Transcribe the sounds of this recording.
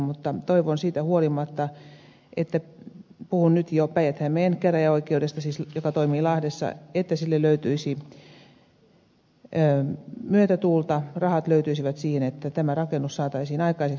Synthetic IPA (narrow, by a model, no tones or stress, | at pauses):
mut̪ːɑt̪oiʋonsiːt̪æhuolimɑt̪ːɑ | et̪ːæpuhunnyt̪jopæiʋæt̪hæmmeenkæræjɑoikˑeudest̪ɑsiːsjokɑt̪oimiːlɑhdesːɑ̰et̪ːæsilːelløyt̪yisi | myøt̪æt̪uːlt̪ɑrɑhɑt̪løyt̪yisiʋæt̪siːhenet̪ːæt̪æmærɑkenːussɑːt̪ɑisiːnɑikɑisek